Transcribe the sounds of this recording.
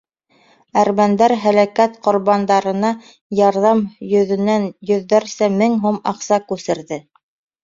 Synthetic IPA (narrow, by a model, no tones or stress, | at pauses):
æɾmænd̪æɾɦælækæt̪qŏɾβɑnd̪ɑɾɤ̆nɑ | jɑɾðɑmjɵ̆ðɵ̆nænjɵ̆ðːæɾsæmɘŋɦumɑqsɑkʉsɘ̆ɾðɘ